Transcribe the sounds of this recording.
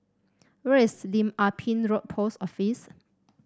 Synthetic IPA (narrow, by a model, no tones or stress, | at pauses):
wɛislĩmapʰĩnɹot̚pʰosɔfis